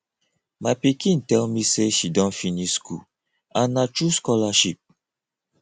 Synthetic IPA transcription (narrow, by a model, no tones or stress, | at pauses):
mapikĩntɛlmiseʃidɔ̃nfinisku | ãnat͡ʃuskɔlaʃip̚